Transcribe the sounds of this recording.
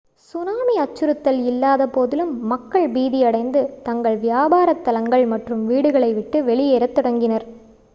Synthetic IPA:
sʊnaːmiɐt͡ʃːɯɾɯt̪ːɐlɪlːaːðɐpoːðɪlɯmːɐkːɐɭbiːðɪjɐɽɐɪnd̪ɯt̪ɐŋɡɐɭʋɪjaːbaːɾɐt̪ːɐlɐŋɡɐɭmɐʈrɯmʋiːɽɯɣɐɭɐɪʋɪʈːɯʋɛɭɪjeːɾɐt̪ːɔɽɐŋɡɪnɐɾ

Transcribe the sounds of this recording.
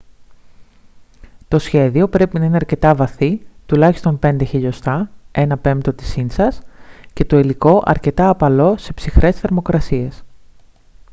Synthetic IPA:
t̪o̞sçe̞ðio̞pɾe̞pinɐine̞ɐɾce̞t̪ɐvɐθit̪ulɐçist̪o̞mpe̞nd̪e̞çiʎo̞st̪ɐe̞nɐpe̞mt̪o̞t̪i̥sinsɐsce̞t̪o̞iliko̞ʔɐ̰ɾce̞t̪ɐːpɐlo̞se̞psixɾʔe̞sθe̞ɾmo̞kɾɐsie̞s

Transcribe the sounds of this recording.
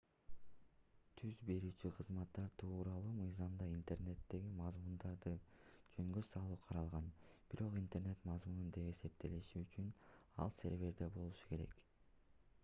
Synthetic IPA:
t̪ʰyzbe̞ɾyːt͡ʃyqʰɯzmɑt̪ːɑɾt̪ʰuːɾɑlˠuːmɯjzɑmd̪ɑint̪e̞rne̞t̪ːe̞ɡimɑzmund̪ɑɾd̪ɯd͡ʒøŋɡøsɑlˠuːqʰɑɾɑlˠʁɑnb̥iɾo̞qint̪e̞ɾne̞t̪mɑzmunud̪e̞pe̞se̞p̚t̪ʰe̞liʃiːt͡ʃynɑ̰lˠse̞ɾve̞ɾd̪ebo̞lˠuʃu̥ke̞ɾe̞̰k

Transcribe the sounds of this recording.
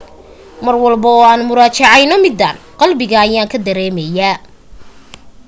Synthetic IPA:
mɐrwɑlbɐɔːaːnmʊɾaːt͡ʃɑʕɑjnɔmɪd̪aːn | qɑlbɪɣɐːjaːŋkʰɐd̪ɐɾɛːmɛjaː

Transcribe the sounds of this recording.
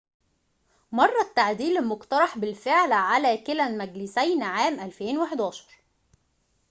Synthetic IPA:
mɑrˤːɑt̪ːaʕd̪iːlɪlmʊkt̪ɑɾˤɑħbɪlfeʕlʕalæːkɪlælmæɡlɪsæjnʕaːmʔælfeːnweħed̪æːʃɑ̥ɾˤ

